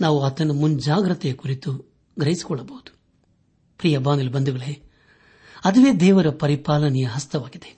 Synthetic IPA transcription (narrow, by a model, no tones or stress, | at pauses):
naːʋuɐt̪ɐnɐmund͡ʒaːɡɾɐt̪ːɛjɐkuɾit̪u | ɡɾɐjisi̥kɔɭːɐbɐwud̪̥u̥ | pɾiːjɐbaːnilbɐnd̪uɡɐɭe | ɐd̪ɐʋe̞ːd̪ɛːʋɐɾɐpɐɾipaːlɐnɛjɐɦɐst̪ʰɐʋaːɡid̪e̥